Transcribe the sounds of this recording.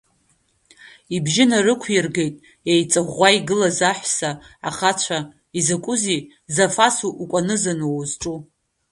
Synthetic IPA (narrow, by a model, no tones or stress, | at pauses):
ibʒɪnarɨkʷʰjirɡe̞jtʼ | ejt͡sʼaʁʷːaiɡɨlazaħʷsaa̰χat͡ʃʷʰa | izɨkʷʼʊzi | zafasuʔːkʷʼanɨzanozʈ͡ʂʼu